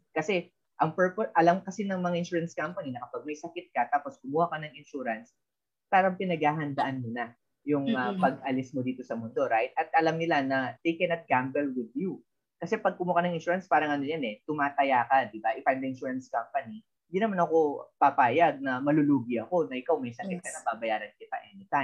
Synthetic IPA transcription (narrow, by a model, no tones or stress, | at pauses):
kɐsɛ | ʔɐŋpɛɹpoʔɐlamkɐsinɐŋmɐŋaʔɪnʃuːɹɐnskampɐninɐkɐpaɡ̚mɐjsɐkɪt̪̚kɐt̪aːpo̞skʊmuːhakɐnɐŋɪnʃuːɾɐns | paːɾɐŋpɪnɐɡ̚haːɦɐnd̪ɐʔanmona | jʊŋɐpɐɡ̚ʔɐlɪsmod̪iːt̪o̞sɐmond̪o̞ɾajt̪̚ɐt̪̚ʔɐlamnɪlanɐd̪ɛjkɛnɐt̪̚ɡambɛlwɪd̪ju | kɐsɛpɐɡ̚kʊmuhakɐnɐŋɪnʃuːɾɐnspaːɾɐŋʔɐnojɐnɛt̪ʊmaːt̪ɐjaːkɐd̪ɪbaʔɪfajnɐʔɪnʃuːɹɐnskampɐni | ɪ̃nd̪inɐmanɐko̞pɐpaːjɐɡ̚nɐmɐluluːɡɪɐko̞nɐʔɪkawmɐjsɐkɪt̪̚kɐnɐbabɐjaːɾɐnkɪt̪ɐ̰ʔɛnɪt̪ajm